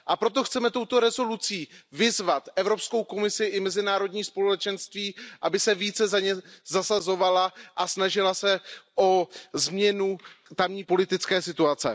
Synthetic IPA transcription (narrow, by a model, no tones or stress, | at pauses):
ʔapɾo̞t̪o̞xt͡sɛmɛt̪o̞wt̪o̞ɾɛzo̞lut͡siːvɪzvat̪ʔɛvɾo̞psko̞wko̞mɪsɪʔɪmɛzɪnaːɾo̞d̪ɲiːspo̞lɛt͡ʃɛnst̪viːʔabɪsɛviːt͡sɛzaɲɛzasazo̞valaʔasnaʒɪlasɛʔo̞zmɲɛnut̪amɲiːpo̞lɪt̪ɪt͡skɛːsɪt̪uat͡sɛ̰